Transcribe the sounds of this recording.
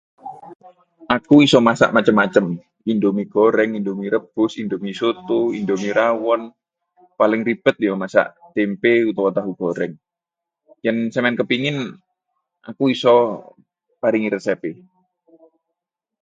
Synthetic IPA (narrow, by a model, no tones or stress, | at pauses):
ʔakuisɔmasa̰ʔmat͡ʃəmːat͡ʃəm | indomiɡ̥oɾɛŋindomiɾəb̥ʊsindomisot̪uindomiɾawɔn | palɪŋripət̪̚jɔmasa̰ʔt̪empeut̪ɔwat̪aɦuɡ̥oɾɛŋ | jɛnsəmɛnkəpiŋɪn | ʔa̰kuisɔ | paɾɪŋiɾəsɛpɪ